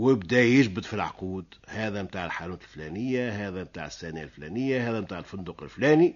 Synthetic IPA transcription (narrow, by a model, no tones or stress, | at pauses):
wɪbd̪æjɪʒbɪd̪filʕa̰quːd̪hæːðɛmt̪aːʕəlħanuːt̪əlflænɪjːaɦæːðɛmt̪a̰ːʕsːæːna̰lflæːnɪjːahæːðɛmt̪aːʕlfʊnd̪uqɪlflæːni